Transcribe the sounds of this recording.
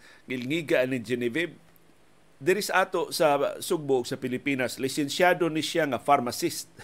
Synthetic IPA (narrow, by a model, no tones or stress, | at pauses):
ŋɪlŋiːɡaʔnɪd͡ʒɛnɪvɛb̚ | d̪ɪɾɪsaʔaːt̪oʔsasʊɡ̚bʊʔʊɡ̥sapɪlɪpiːnaslɪsɛnsjaːd̪onɪʃjaŋafaɾmasist̪̚